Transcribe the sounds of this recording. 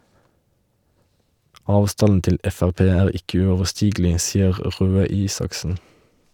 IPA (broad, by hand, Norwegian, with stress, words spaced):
ˈɑːʋˌstɑnn̩ ˈtɪl ˈɛfæʁˌpeː ˈæːʁ ˈɪkə ʉɔʋəˈsʈiːɡl̩ɪ ˈsiːəʁ ˈʁøː ˈiːsɑksn̩